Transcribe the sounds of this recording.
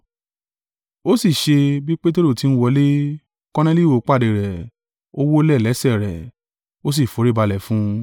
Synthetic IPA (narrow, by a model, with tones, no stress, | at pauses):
o˦si˦˨ʃe˧bi˦k͡pe˦t̬e˦ɾo˦˨ti˨˦ñ̩˦wɔ˧˦le˦ | kɔ˦nɛ̃˦li˦˨wo˨k͡pa˦˨de˨ɾɛ˨ | o˦wo˦lɛ˦˨lɛ˨˦sɛ˦˨ɾɛ˨ | o˦s̬i˦˨fo˨˦ɾi˦ba˧lɛ˨fũ˦